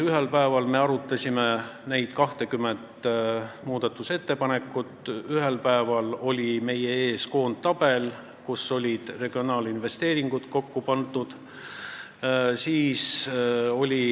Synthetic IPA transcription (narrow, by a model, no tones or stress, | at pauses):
yɦe̞lpæevɑlme̞ɑɾut̪ːˑɑsʲimenejd̪̥kɑht̪e̞kymːend̪ | muːd̪ɑt̪ːˑuse̞t̪ːepɑne̞kːˑut̪ːˑyɦe̞lpæevɑlo̞lʲime̞jee̞ːsko̞ːnd̪t̪ːɑb̥e̞l | kusːo̞lʲid̪̥re̞ɡ̥io̞nɑːlinve̞st̪e̞ːɾiŋɡ̥ut̪ko̞kːupɑnt̪ud̪̥ | siːs | o̞lʲi